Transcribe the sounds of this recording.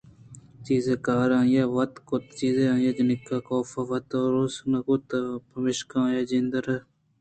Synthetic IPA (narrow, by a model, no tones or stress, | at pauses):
t͡ʃiːzekaːɾãːjaːʋɐt̪kʊt̪t͡ʃiːzeãːjaːd͡ʒɐnɪkːaːkoːfaʋɐt̪oːɾosnɐkʊt̪pɐmɪʃkãːjaːd͡ʒind̪əɾɐ